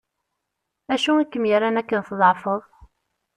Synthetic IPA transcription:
æʃuækːəmjaɾænækːənθðˤʕfəðˤ

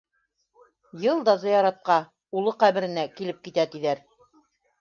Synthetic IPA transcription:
jɤlˠd̪ɑzɑjɑɾɑt̪̚qɑ | ulˠɤqæβɘ̆ɾɘ̆nækilɘp̚kit̪æt̪iðæɾ

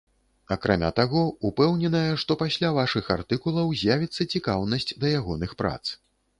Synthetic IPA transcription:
akɾamʲa̰t̪aɣɔupɛwnʲɛnɐjɐʂt̪ɔpasʲlʲavaʂɨxa̰rt̪ɨkulˠɐwzʲjavʲit̪sːɐt͡sʲikawnɐsʲt͡sʲd̪ɐjaɣɔnɨxpɾa̰t̪s

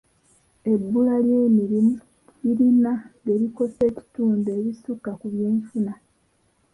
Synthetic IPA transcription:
e̞bːulalje̞ːmiɾimu | iɾinaɡeβiko̞se̞ːci̥tuːndeːβisukːakuβje̞ːɱfuna

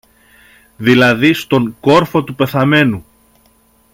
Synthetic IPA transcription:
ðilɐðist̪o̞ŋko̞ɾfo̞t̪upe̞θɐme̞nu

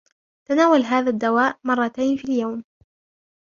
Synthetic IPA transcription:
t̪anaːwalɦaːðaːd̪ːawaːʔmɑrˤːɑt̪ajnfiːljawm

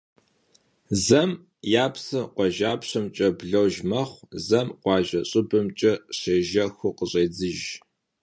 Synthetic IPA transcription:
zɐm | jaːpsɨqʷɔʒaːpɕɐmt͡ʃʼɐbɮɐwʒmɐχʷzɐmqʷɑːʒɐɕʼʊbɨmt͡ʃʼɐɕeːʒɐxʷʊqəɕʼeːd͡zɨʒ

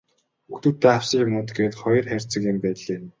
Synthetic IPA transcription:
ɵxt̪uːt̪ːeːawsĭkʊmnʊːt̪ɡeːt̪χɔjɞ̆rχær̥ʲt͡sə̆kɪmpæːt̪ɮeːn

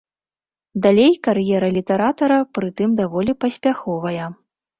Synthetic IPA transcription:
d̪alʲejkaɾjɛɾɐlʲit̪ɛɾat̪ɐɾɐpɾɨt̪ɨmd̪avɔlʲipɐsʲpʲaxɔvɐjɐ

